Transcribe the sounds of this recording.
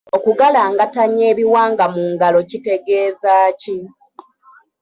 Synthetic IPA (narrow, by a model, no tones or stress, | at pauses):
o̞kuɡalaːŋɡataɲːe̞ːβiwaːŋɡamuːŋɡalo̞cite̞ɡe̞ːzaːci